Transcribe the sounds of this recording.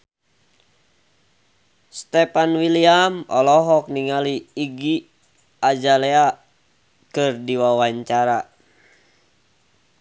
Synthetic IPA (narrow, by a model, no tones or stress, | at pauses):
st̪ɛpanwiliamɔ̰lɔɦɔk̚niŋaliːɡi | ad͡ʒalɛa | kɨrdiwawaɲt͡ʃaɾa